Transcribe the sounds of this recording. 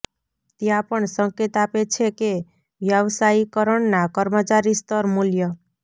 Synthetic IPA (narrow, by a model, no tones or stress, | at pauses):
t̪jãpəɳsəŋket̪apet͡ʃʰeke | ʋjəʋsaikəɾəɳnakəɾmət͡ʃaɾist̪əɾmuljə